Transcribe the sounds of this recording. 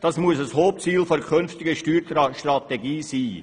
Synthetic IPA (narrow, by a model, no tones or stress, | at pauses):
d̥ɑsmuəsəshoːp̚t͡siːlfoɾəkʰønftɪɡəʃtyːɾʃtɾɑt̪ɛɡiːsiː